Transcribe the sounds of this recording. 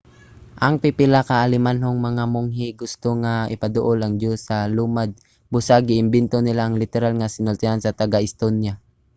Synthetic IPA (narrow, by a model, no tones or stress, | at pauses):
ʔaŋpɪpɪlakaʔalɪmanɦoŋmɐŋamʊŋɦɪɡʊst̪oŋaɪpad̪ʊʔolɐŋd͡ʒosalumad̪̚ | bʊsaɡɪɪmbɪnt̪onɪlaʔɐŋlɪt̪ɛɾalŋasɪnʊlt̪ɪhansɐt̪aɡaʔɪst̪onja